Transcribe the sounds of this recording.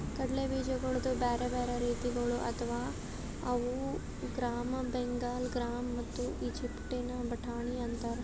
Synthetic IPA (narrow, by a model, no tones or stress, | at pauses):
t̪ɐɽlebiːd͡ʒɐɡɐɭud̪ubeːɾebeːɾeɾiːt̪iɡɐɭuʔɐ̰t̪ʰɐʋaː | ɐʋu | ɡɾaːmɐbeŋɡaːlɡɾaːmːɐt̪ːuiːd͡ʒipʈenɐbɐʈʰaːɳiɐnt̪ɐɾ